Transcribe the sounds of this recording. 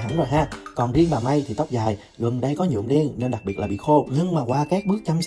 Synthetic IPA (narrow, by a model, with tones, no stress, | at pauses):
ə˧˦nzoː˨˩jɦaː˧˩kɔ˨˩nzi˧ənɓaː˨˩ma˧jt̪ʰi˨˩t̪ə˦˥k͡p̚zaː˨˩j | ɣɨ˨˩ŋɗə˧jkɔ˨˦ɲṵ˧˨əmɗe˧ənne˧nɗa˨˩k̚i˨˩ət̚laː˨˩ɓḭ˧˨xo˧ɲɨ˧ŋmaː˨˩kwaː˧kaː˦˥k̚ɓɨ˦˥ək̚t͡ɕa˧ns